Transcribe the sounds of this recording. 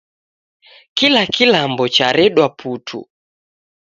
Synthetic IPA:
kilakilambɔt͡ʃaɾɛɗwapʰutʰṵ

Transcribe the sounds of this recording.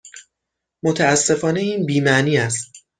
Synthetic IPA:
mot̪ʰææsːe̞fɒːne̞iːnbiːmæʔniːæs̬t̪

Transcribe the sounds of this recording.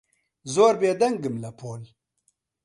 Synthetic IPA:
zoːɾbeːd̪ɐŋɡɨmlapʰoːl

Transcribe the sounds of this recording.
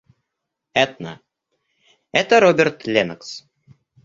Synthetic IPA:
ɛt̪nə̰ | ɛt̪əɾobʲert̪lʲenəks

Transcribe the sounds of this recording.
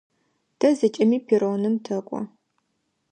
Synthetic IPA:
tʰɐzɐt͡ʃʼɐmiːpʰiɾoːnɨmtʰɐkʷʼɔ̰

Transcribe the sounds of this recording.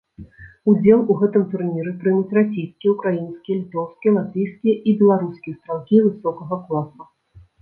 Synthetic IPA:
ud͡zʲɛlˠuɣɛt̪ɨmt̪urnʲiɾɨpɾɨmut͡sʲrasʲejskʲijɛukɾajinskʲijɐlʲit̪ɔwskʲijɛlˠat̪vɨjskʲijɐʔibʲɛlˠaɾuskʲijɛst̪ɾalkʲivɨsɔkɐɣɐklˠasu

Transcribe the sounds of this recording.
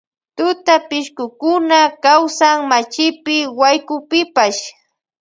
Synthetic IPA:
t̪ʊt̪apɪʃkʊkʊnakawsaŋmat͡ʃɪpɪwajkʊpɪpaʃ

